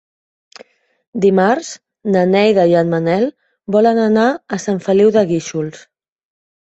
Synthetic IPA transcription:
d̪imaɾz̥ | nənɛjðəianmənɛl | bɔlənənaəsaɱfəliwðəɣiʃuls

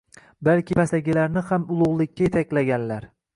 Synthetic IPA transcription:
balkʲɪpʰasaɡʲɪlaɾnɪhamʊlˠʊʁlˠɪkʲːajet̪ʰakʲlaɡʲanlaɾ

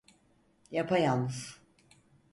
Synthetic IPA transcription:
japʰajanɯz

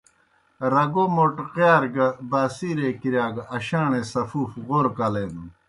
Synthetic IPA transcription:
ɾɐɡomoʈqaːɾɡɐbaːsiɾekiɾjaːɡɐɕaːɳesɐfuːfɣoɾkɐleːnu

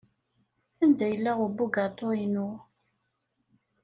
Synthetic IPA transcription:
ænd̪æjəlːæʁubːuɡat̪ˤːoinʊ

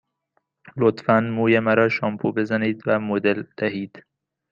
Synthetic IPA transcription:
lot̪fænmuːjemæɾɒːʃɒmpʰube̞zæniːd̪væmod̪eld̪̥æɦiːd̪̥

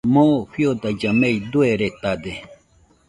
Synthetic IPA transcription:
moɸjod̪ad͡ʒamejd̪ueɾet̪ad̪e

